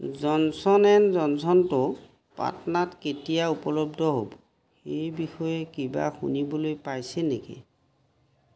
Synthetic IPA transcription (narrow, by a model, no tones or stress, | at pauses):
zɔnsɔnɛnzɔnsɔntʊ | pa̰tɔnatketijaupɔlobdʱɔɦo̰b | xejbixɔjɛkiba̰xṵnibɔlojpajsɛnekḭ